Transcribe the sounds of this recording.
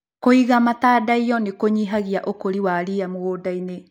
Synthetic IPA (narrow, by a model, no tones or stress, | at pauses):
koiɣamataːdaijɔnekoɲiɦaɣiaʔokoɾiwaɾiamoɣoːdaine